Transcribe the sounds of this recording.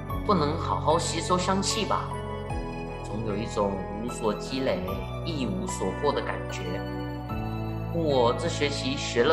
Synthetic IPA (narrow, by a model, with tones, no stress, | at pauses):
pu˥˩nɤ˧˥ŋxɑ˨˩ʊxɑ˥˧ʊɕi˥so˥ɕjɑ˥ŋt͡ɕʰi˥˩bɐ̰˩ | t͡sʊ˧˥ŋjo˨˩ʊi˥˩ʈ͡ʂʊ˨˩ŋ | u˧˥swɔ˨˩t͡ɕi˥le˨˩ɪ | i˥˩u˧˥swɔ˨˩kwɔ˥˩d̪ə˩ka̰˨˩nt͡ɕɥɛ˧˥ | u˥wɔ˨˩t͡sɤ˥˩ɕɥɛ˧˥t͡ɕʰi˧˥ɕɥɛ˧˥lə˧